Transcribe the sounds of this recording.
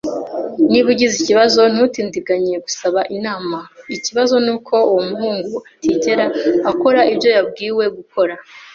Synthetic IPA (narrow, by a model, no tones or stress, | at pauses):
niβuɟiziciβazo̞n̥hutiːndiɡaɲijeɡusaβaʔinaːmaiciβazo̞nuːkʰo̞uwomuɦuːŋɡuatiːɟe̞ɾaːko̞ɾaʔibjo̞jab̚ɡiːwe̞ɡukʰo̞ɾa